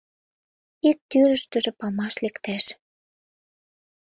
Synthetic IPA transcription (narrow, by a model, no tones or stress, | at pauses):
ik̚t̪yɾə̆ʃt̪ə̆ʒĕpɑmɑʃlekt̪æʃ